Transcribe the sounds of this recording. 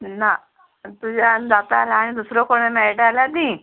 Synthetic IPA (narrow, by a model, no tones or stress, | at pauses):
na | t̪ud͡ʑʱand͡zat̪aːlaːɽ̃id̪usɾokoɽ̃emɛɭʈalad̪i